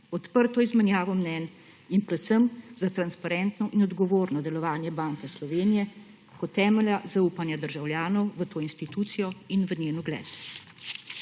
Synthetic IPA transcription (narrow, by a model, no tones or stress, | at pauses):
ɔt̪pəɾt̪ɔizmɛnjaːʋɔmnɛːn | inpɾɛt̪səmzat̪ɾanspaɾɛnt̪nɔʔinɔd̪ɡɔʋoːɾnɔd̪ɛlɔʋaːnjɛbaːŋkɛslɔʋeːnijɛ | kɔt̪ːɛːmɛljazauːpanjad̪əɾʒawljaːnɔwʋət̪oːinst̪it̪ut̪sijɔinʋənjeːnuɡlɛ̰ːd̪u